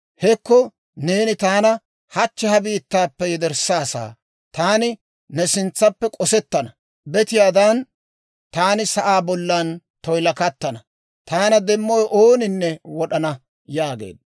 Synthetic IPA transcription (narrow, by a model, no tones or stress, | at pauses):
hɛkːɔ | ne̞ːnɪt̪aːnɐ | hɐt͡ʃːɛhɐbiːt̪ːaːpːɛjɛd̪ɛɾsːaːsa̰ː | t̪aːnɪ | nɛsɪnt͡sːɐpːɛkʼɔsɛt̪ːɐnɐ | bɛt̪ɪjaːd̪ɐn | t̪aːnɪsɐʔaːbɔlːɐn | t̪ɔjlɐkɐt̪ːɐnɐ | t̪aːnɐd̪ɛmːɔjʔoːnɪnːɛwɔɗɐnɐ | jaːɡḛːd̪ɐ